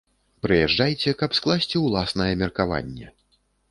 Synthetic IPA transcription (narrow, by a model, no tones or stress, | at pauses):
pɾɨjɛʐd͡ʐajt͡sʲɛkɐpsklˠasʲt͡sʲiwlˠasnɐjɐmʲɛrkava̰nʲːɛ̰